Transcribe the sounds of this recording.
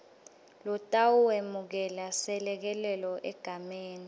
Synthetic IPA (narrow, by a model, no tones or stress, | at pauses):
lɔtʼawuwemuk̬ɛlasɛlɛk̬ɛlɛlɔʔɛɡ̥ʱameːni